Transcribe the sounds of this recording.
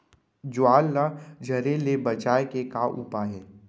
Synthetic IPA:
d͡ʒʊaːlːad͡ʒʱɐɾelebɐt͡ʃaːekekaʔṵːpaɦɛː

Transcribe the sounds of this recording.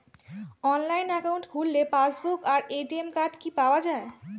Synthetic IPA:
ɔnlajnɛkauɳʈɡʱulːepasbukaɾeʈiemkaɾɖkipaoad͡ʑae

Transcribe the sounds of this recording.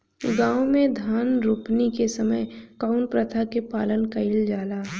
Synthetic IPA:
ɡãːwmẽd̪ʱaːnɾuːpnikesəməjkaːʊnpɾət̪ʰakepaːlənkɐɪld͡ʒaːlaː

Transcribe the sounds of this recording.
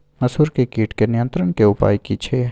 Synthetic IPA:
mɐsɦuːɾkekiːʈkenɪjə̃nt̪ɾəɽ̃keʊpa̰ːjkit͡ʃʰeː

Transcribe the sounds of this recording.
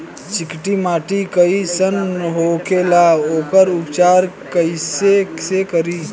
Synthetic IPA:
t͡ʃikʈimaːʈikəisənɦokelaoːkəɾupt͡ʃaɾ | kəɪsesekəɾi

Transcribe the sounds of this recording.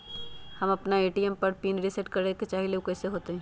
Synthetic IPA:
hɐmɐpnaeːʈijɛmpɐɾpiːnɾɪsɛʈkɐɾeket͡ʃaːɦileukɛːseɦoːt̪eɦɛ̃ː

